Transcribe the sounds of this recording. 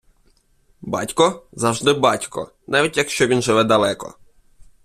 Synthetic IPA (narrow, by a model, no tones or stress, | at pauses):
bɑ̰tʲkɔzɐwʒd̪ɪbɑtʲkɔ̰ | nɑʋʲitʲjɐkʃt͡ʃɔʋʲinʒɪʋɛd̪ɐlˠɛkɔ̰